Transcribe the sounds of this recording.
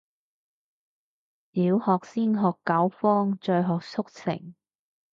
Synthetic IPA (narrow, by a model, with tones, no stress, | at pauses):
liː˨˧whɔː˨k̚siː˥nɦɔː˨˩kːɐ˨˥wfɔː˥ŋt͡ʃœ˧ɦɔː˨k̚sʰʊ˥k̚sɪ̰˨˩ŋ